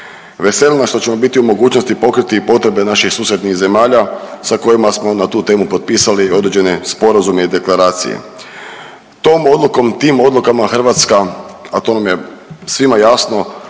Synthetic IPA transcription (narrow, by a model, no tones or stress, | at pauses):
ʋe̞se̞lʲnaʃt̪o̞t͡ɕe̞mo̞bit̪iumo̞ɡuːt͡ʃnost̪ipo̞kɾit̪ipo̞t̪ɾe̞be̞naʃixsuːse̞d̪nixze̞maːʎasako̞jimasmo̞nat̪uːt̪e̞ːmupo̞t̪̚piːsalio̞d̪ɾed͡ʑe̞ne̞spo̞ɾazume̞id̪e̞klˠaɾaːt̪sḭjḛ | t̪o̞ːmo̞d̪luko̞mt̪iːmo̞d̪lˠukamaxər̩ʋat̪skaat̪o̞namje̞sʋimajasno̞